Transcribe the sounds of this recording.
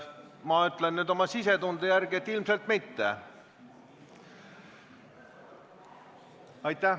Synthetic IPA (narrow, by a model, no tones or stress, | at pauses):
mɑyt̪ˑlenːyːd̪o̞mɑsise̞t̪und̪ejæɾɡ̥iet̪ːˑilmselt̪mit̪ːe | ɑjt̪ːˑæ